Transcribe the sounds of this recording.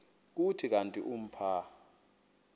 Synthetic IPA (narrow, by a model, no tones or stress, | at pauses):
k̬utʰik̬antʼiʔum̩pʰa